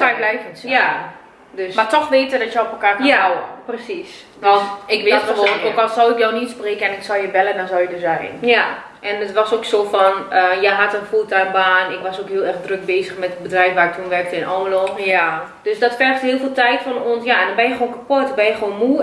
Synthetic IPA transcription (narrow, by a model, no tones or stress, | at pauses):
aklɛjkənsja | døsmatɔxʋeːtədɔtjəɔpəlˠkaːkprəsis | ʋɔnɪkʋɪəʋoːokɔsɔwɪkjɔwnitspreːkəɛnɪksɔlˠjəbɛləndɔnsɔlˠjədøsjaːɪ̰nja | ʔɛnətʋɔsoːksoːfɔnəjɛɦatənfutaːnbaːnɪkʋɔsokɦiəlˠɛrxdrøk̚beːzəxmɛtəbədrɛjfʋaːrɪktʰunʋɛrk̚təɪnʔɔːloːxja | d̥øsdɔtfɛrxthiəlˠfiːlˠtɛjtfɔnoənsjaɛndɔnbɛnjəxoːnkapotdbɛnjəxʋoːnmu